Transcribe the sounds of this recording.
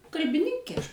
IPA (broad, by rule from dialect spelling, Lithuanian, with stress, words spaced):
kɐlʲbʲɪˈnʲɪŋʲkʲeː ˈɐʃ